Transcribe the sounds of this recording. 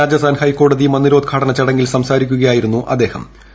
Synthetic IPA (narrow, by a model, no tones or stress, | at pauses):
aːd͡ʑɐst̪ʰaːnhɐjko̞ːɽɐðimɐnːiɾo̞ːd̪̚ɡʰʱaːɽɐnɐt͡ɕɐɽɐŋɡilsɐmsaːɾikʲːuɣɐjaːjiɾunːuʔɐd̪ːe̞ːhɐ̰m